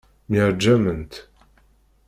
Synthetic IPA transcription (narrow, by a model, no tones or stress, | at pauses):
mɛɾd͡ʒæmənt̪